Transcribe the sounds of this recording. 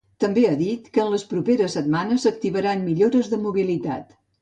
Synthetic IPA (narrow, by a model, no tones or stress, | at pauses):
t̪əmbeaðit̪kəːnləspɾupeɾəsət̪manəzək̚t̪iβəɾanmiʎoɾəzðəmuβilit̪a̰t̪